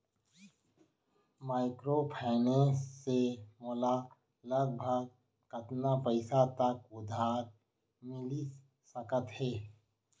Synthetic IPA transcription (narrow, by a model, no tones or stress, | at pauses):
maːɪkɾopʰɛːnesemɔːla | ləɡ̚bʱəɡ̚ | kət̪napəɪsat̪əkʊd̪ʱaːɾ | mɪli | səkət̪heː